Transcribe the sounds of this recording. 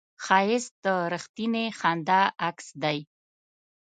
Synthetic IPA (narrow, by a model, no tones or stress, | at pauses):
xɑjɪsd̪̥əɾəxt̪inexɑnd̪aaksd̪aj